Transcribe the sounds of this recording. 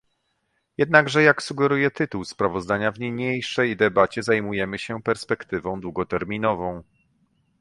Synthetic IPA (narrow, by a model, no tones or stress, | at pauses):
jɛd̪̚naɡʐɛjaksuɡɛɾujɛt̪ɘt̪uwspɾavɔzd̪aɲavɲeɲejʂɛjd̪ɛbat͡ɕɛzajmujɛmɘɕɛpɛɾspɛkt̪ɘvɔ̃w̃d̪wuɡɔt̪ɛɾmʲinɔvɔ̃w̃